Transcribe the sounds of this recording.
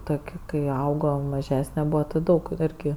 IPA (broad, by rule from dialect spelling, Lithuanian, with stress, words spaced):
ˈtoːkʲ kɐɪ ˈɐʊɡoː mɐˈʒʲæːsʲnʲɛ ˈbuːʋɐ ˈtʲɪ ˈdɐʊk ˈɪrʲɡʲɪ